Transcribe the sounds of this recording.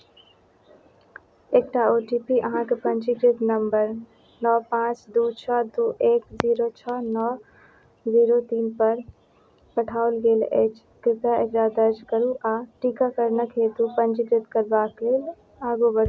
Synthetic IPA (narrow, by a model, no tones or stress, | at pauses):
eːk̚ʈaoːʈipiʔəɦãkepə̃ɲd͡ʒiɡɾɪt̪nəmbəɾ | nɔːpãːt͡ʃd̪uːt͡ʃʰɔd̪uːʔeːkziːɾot͡ʃʰɔnɔː | ziːɾot̪iːnpəɾ | pəʈʰaːʊlɡeːlḛːt͡ʃ | kɾɪkaekɾad̪əɾd͡ʒkəɾuʔaːʈiːkakəɾnəkʰeːt̪upənd͡ʒiɡɾɪt̪kəɾbaːkleːl | aːɡobəɾ